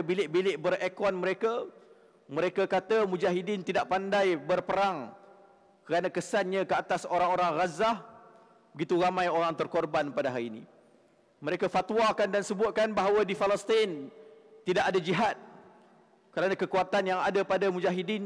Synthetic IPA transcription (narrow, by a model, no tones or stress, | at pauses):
bilɪʔbilɪʔbərekɔnməɾeka | mə̃ɾekakat̪amũd͡ʒaɦidɪnt̪idaʔpandajbərpəɾaŋ | kəɾanakəsanɲãkəat̪asoɾaŋoɾaŋrazah | bəɡit̪uɾamãjoɾaŋt̪ərkɔrbanpadaɦaɾiːni | məɾekafat̪wakandansəbʊt̪̚kanbaɦawədifaləst̪int̪idaʔadad͡ʒiɦat̪̚ | kəɾanãkəkuat̪anjaŋadapadamũd͡ʒaɦidɪn